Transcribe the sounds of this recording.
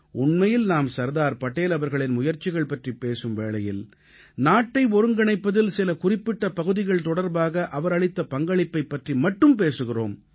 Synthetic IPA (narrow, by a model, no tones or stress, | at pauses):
ʊɳmɐjɪlnaːmsɐɾðaːɾpɐʈːeːlɐʋɐɾɣɐɭɪnmʊjɐɾt͡ʃɪɣɐɭpɐʈripeːsɯmʋeːɭɐjɪl | naːʈːɐɪɔɾɯŋɡɐɳɐɪpːɐðɪlsɪlɐkʊrɪpːɪʈːɐpɐɣɯðɪɣɐɭt̪ɔɽɐɾbaːɣɐʔɐʋɐɾɐɭɪt̪ːɐpɐŋɡɐɭɪpːɐɪpːɐʈrimɐʈːɯmpeːsɯɣɪro̰ːm